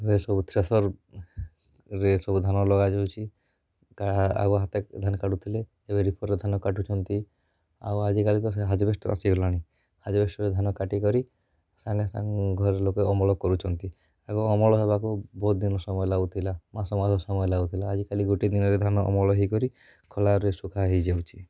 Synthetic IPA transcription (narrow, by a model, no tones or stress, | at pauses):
ɾesɔbut̪ʰɾesɔɾ | ɾesɔbud̪ʱanɔlɔɡad͡ʒɔwt͡ʃʰi | aa̰ɡɔɦat̪ed̪ʱanɔkaʈut̪ʰile | ebeɾipʰɔɾːed̪ʱanɔkaʈut͡ʃʰɔnt̪i | a̰wad͡ʒikalit̪ɔseɦad͡ʒɔbesʈɔa̰siɡʱɔlaɽ̃i | had͡ʒɔbesʈɔɾed̪ʱanɔkaʈikɔɾi | saŋesa̰ŋɡʱɔɾeɾlokeɔmɔɭɔkɔɾut͡ʃʰɔnt̪i | aɡɔɔmɔɭɔsebakubɔɦut̪̚d̪inɔsɔmɔjɔlaut̪ʰilamasɔmasɔsɔmɔjɔlaut̪ʰilaːd͡ʒikaliɡoʈid̪inɔɾed̪ʱanɔʔɔ̰mɔɭɔɦikɔɾi | kʰɔlaɾɔɾesukʰaɦid͡ʒewt͡ʃʰi̥